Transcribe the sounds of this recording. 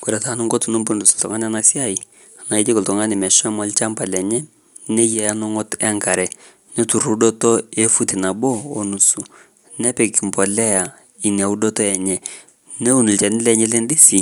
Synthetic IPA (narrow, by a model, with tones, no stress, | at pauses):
ku˨ɾɛ˨ta˨˦nu˦ŋɡo˦tu˨˦nu˦mbu˦ndu˨sltɔ̰˨ŋa˦n˦a˦na˨si˦a˦i˨ | a˨na˨i˦d͡ʒɪ˦kɔ˨ltɔ˨ŋa˦nɪ˨mɛ˨ʃɔ˦mɔ˨˦lt͡ʃa˦mpa˨lɛ˨ɲɛ˦ | nɛ˦jɛ˨ja˦nɔ˦ŋɔ˦tɛ˦ŋka˨ɾɛ˨ | nɛ˦tu˨ɾu˦dɔ˦tɔ˦e˦fu˦ti˨na˨boː˦˨nu˨su˨ | nɛ˦pɛ˨ki˨mpɔ˨lɛ˦a˨ | i˨n˨a˨u˦do˦tɔ˦ɛ˨ɲɛ˨ | ne˦u˦˨nu˨lt͡ʃɛ˨nɪ˦lɛ˨ɲɛ˦le˦ndi˦si˨